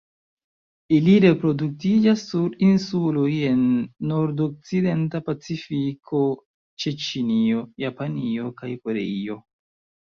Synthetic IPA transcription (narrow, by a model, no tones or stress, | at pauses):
iliɾe̞pɾo̞duk̚tid͡ʒasːuɾinsuloje̞nːo̞ɾdok̚t͡side̞ntapat͡sifikʰo̞ | t͡ʃet͡ʃinio̞japanio̞kajko̞ɾe̞̰io̞